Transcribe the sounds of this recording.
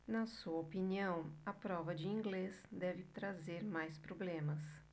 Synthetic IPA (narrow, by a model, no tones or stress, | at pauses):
nɐsuɐopiniɐ̃w̃ɐpɾɔvɐd͡ʒɪĩŋɡlesd̪ɛvɪt̪ɾazeɾmajspɾoblẽmɐs